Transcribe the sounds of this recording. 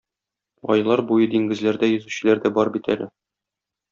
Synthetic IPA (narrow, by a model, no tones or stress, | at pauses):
ɒ̰jlˠɑɾbujɤd̪iŋɡɘ̆zlæɾd̪æjɵ̆zʉɕɘ̆læɾd̪æbɒɾbit̪æ̰lʔɘ